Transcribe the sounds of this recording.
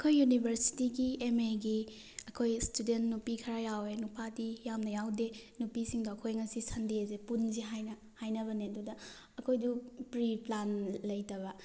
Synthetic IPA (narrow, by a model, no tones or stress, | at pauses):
ɐkʰojːunibʱɐɾsi̥tiɡiemeɡi | ɐkʰojstudentnupikʰɐɾajawenupʰadijamnɐjawdenupisiŋdɐɐkʰojŋɐsisɐndezepunziɦajnɐ | hajnɐbɐneɐdudɐː | kʰojdupɾiplanlɐjtɐbɐ